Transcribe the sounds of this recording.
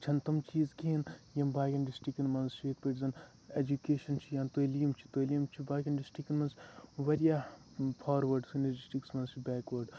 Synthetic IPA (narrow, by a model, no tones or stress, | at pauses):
t͡ʃʰɐnt̪ɐmt͡ʃiːzkiinjɐmbaːɡʲɐnɖisʈikinmɐnzt͡ʃʰiek̚peʈzɐn | ed͡ʒukeːʃɐnt͡ʃʰijaːnt̪olijɐmt͡ʃʰi̥t̪oːlijɐmt͡ʃʰibaːɡʲɐnɖisʈikinmɐnsʋɐɾijaː | pʰaːɾʋɐɾɖsinɐd͡ʒisʈiksmɐnzt͡ʃʰibʲɛːkʋɐɾɖ